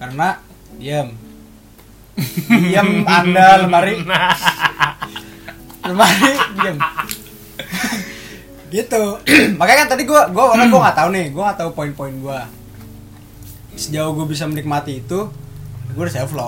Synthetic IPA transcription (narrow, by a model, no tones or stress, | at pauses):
karəna | diəm | iəmandaləmaɾi | ləmaɾidiəm | ɡit̪umakajakant̪adiɡuaɡuaanaɡuaŋat̪aunɪhɡuaŋat̪aupoinpoinɡua | səd͡ʒauhɡuabis̬amənik̚mat̪iːt̪u | ɡuadisɛlflɔ